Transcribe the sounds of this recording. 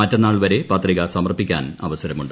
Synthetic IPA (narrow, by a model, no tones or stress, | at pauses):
ɐtːɐnːaːɭʋɐɾe̞paːt̪riɣɐsɐmɐrpːikʲːa̰ːnɐʋɐsɐɾɐmuɳɖɨ